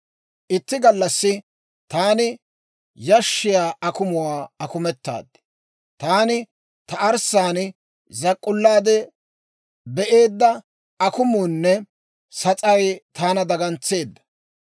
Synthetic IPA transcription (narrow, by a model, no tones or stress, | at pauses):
ʔɪt̪ːɪɡɐlːɐsːɪ | t̪aːnɪ | jɐʃːɪjaːɐkʊmʊwaːɐkʊmɛt̪ːa̰ːd̪ɪ̥ | t̪aːnɪ | t̪ɐʔɐɾsaːnɪ | zɐkʼːʊlːaːd̪ɛ | bɛʔeːd̪ːɐ | ɐkʊmunːɛ | sɐt͡sʼɐjt̪ʰaːnɐd̪ɐɡɐnt͡sːe̞ːd̪ːɐ̥